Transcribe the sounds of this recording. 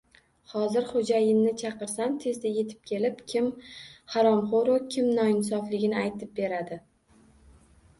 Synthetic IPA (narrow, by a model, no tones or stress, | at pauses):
hɒzɪɾχod͡ʒajɪmnɪt͡ʃʰɑqɨɾsant̪ʰe̞zd̪aje̞t̪ʰɪ̥p̚kʲʰe̞lɪpkʲʰɪmhaɾɒmχoɾokʲʰɪmnɒɪnsɒflɪɡʲɪnɪajt̪ʰɪp̚be̞ɾad̪ɪ